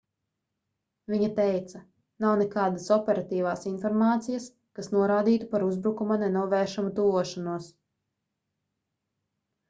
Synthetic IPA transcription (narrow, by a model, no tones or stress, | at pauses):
vʲiɲat̪ɛjt̪sɐ | nawnekaːd̪asɔpɛɾat̪iːvaːsinfɔɾmaːt̪sijas | kasnuɔɾaːd̪iːt̪upaɾuzbɾukumanɛnuɔvɛːʃamut̪uvuɔʃanuɔs